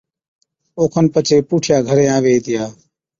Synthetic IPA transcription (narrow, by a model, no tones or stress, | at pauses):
oːkʰənpət͡ʃʰeːpuːʈʰjaːɡʱəɾẽːãːʋeːiːt̪ɪjaː